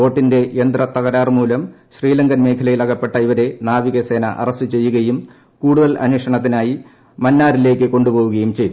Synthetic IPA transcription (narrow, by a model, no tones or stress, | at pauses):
o̞ːʈːinde̞ʔend̪rɐt̪ɐɣɐɾaːrmuːlɐm | ɕriːlɐŋɡɐnme̞ːkʰɐlɐjilɐɣɐpːe̞ʈːɐiʋɐɾe̞naːʋiɣɐse̞ːnɐʔɐ̰rɐstɨt͡ɕe̞jːuɣɐjum | kuːɽuðɐlʔɐ̰njekʂɐɳɐt̪̬ːinaːji | mɐnːaːɾile̞ːkːɨko̞ɳɖupo̞ːʋuɣɐjumt͡ɕe̞jt̪u